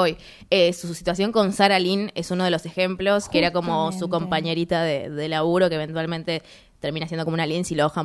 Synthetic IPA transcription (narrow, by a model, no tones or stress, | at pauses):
oj | esusit̪was̬jo̞ŋko̞nsaɾaline̞suno̞ð̞e̞lo̞se̞xe̞mplo̞skeeɾako̞mo̞suko̞mpaɲe̞ɾit̪aðeðe̞laβuɾo̞keβe̞nt̪walmẽnt̪e̞ | t̪e̞ɾminas̬jend̪okomunalinsiloxa